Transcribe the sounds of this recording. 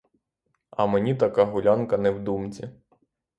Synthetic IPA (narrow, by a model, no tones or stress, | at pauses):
ɐ̰menʲit̪ɐkɑɦʊlʲankɐnɛwd̪umt͡sʲi